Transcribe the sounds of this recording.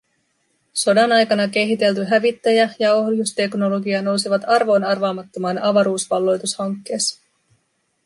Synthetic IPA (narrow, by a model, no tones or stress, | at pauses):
so̞dɑnɑjkɑnɑke̞ɦit̪e̞lt̪yɦæʋit̪ːæjæjɑo̞ɦjust̪e̞kno̞lo̞ɡiɑno̞wsiʋɑt̪ɑrʋo̞ːnɑrʋɑːmɑt̪ːo̞mɑːnɑʋɑɾuːsʋɑlːo̞jt̪ushɑŋkːe̞ːs